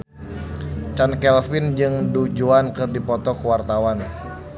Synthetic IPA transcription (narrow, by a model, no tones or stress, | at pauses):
t͡ʃankɛlfɪnd͡ʒɨŋdud͡ʒuankɨrdipɔt̪ɔkəwart̪awan